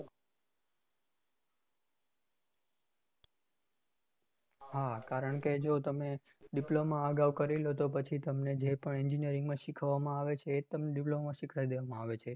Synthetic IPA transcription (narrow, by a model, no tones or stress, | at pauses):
ɦakaɾəɳked͡ʒot̪əme | ɖiplomãəɡaʋkəɾilot̪opət͡ʃʰit̪əmned͡ʒepəɳiɲd͡ʒinijəɾĩŋɡmãʃikʰʋamãaʋet͡ʃʰeːt̪əmɖiplomãʃikʰajd̪eʋamãaʋet͡ʃʰe